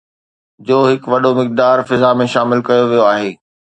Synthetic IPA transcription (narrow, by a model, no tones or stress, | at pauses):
d͡ʑoːɦɪkʋɐɗomɪk̚d̪aːɾfɪzamẽʃaːmɪlkɐjoʋijoaːɦeː